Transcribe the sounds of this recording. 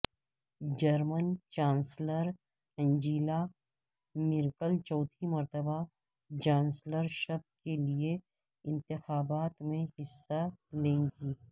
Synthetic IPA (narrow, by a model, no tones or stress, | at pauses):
d͡ʒəɾmənt͡ʃãːnsləɾ | ɛ̃ːɲd͡ʒiːla | mɪɾkəlt͡ʃɔːt̪ʰimɐɾt̪əba | d͡ʒãːnsləɾʃɐb̚kelie | ɪ̃nt̪ɪxaːbaːt̪mẽɦɪsːalẽːŋɡiː